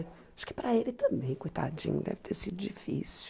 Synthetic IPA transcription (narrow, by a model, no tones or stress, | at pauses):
aʃʊ̥kɪ̥pɾɐelɪt̪ɐ̃mbẽj̃kujt̪a̰d͡ʒḭ̃ɲʊ̰d̪ɛ̰vɪ̥t̪ʰeɾsid̪ʊd͡ʒifḭs